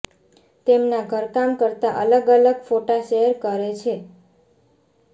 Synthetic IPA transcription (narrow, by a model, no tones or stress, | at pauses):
t̪emnaɡʱəɾkamkəɾt̪aʔələɡələɡfoʈaʃeɦəɾkəɾet͡ʃʰe